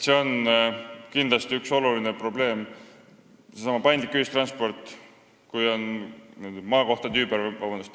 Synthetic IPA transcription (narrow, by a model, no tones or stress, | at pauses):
se̞o̞n | kind̪̥lɑst̪iykso̞lulinepro̞ble̞ːm | sesɑmɑpɑjnd̪likːˑyist̪rɑnspo̞rt̪ːˑ | kujo̞n | mɑːko̞ht̪ɑt̪yːbeɾvɑbɑnd̪ust̪